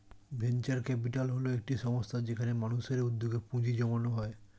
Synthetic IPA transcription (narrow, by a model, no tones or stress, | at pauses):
bʱent͡ɕaɾkɛp̬iʈalɦoloek̚ʈiʃɔmost̪ʰad͡ʑekʰanemanuʃeɾud̪ːoɡepũd͡ʑid͡ʑɔmanoɦɔe